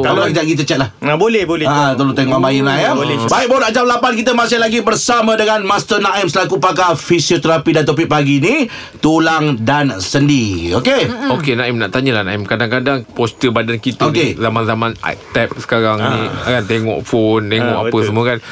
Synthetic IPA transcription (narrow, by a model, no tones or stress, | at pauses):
kallaɡitaʔ̚kit̪̬ət͡ʃɛt̪̚lahabolɛhbolɛat̪əlot̪eŋɔʔabajənaimɛbaik̚baonaʔd͡ʒamlapankit̪əmas̬alaɡibərsamãdəŋanmast̪ənaimsəlakupak̬afisiot̪əɾapidant̪̬op̬ik̚paɡinĩ | t̪ulaŋdansəndiiokeokenaimna̰ʔt̪aɲalahnaimkadaŋkadaŋpɔst̪əbadankit̪okezamanzamana̰t̪ɛp̚sə̥kaɾaŋniakant̪eŋɔ̰ʔfont̪eŋɔ̰ʔapəsəmuəkan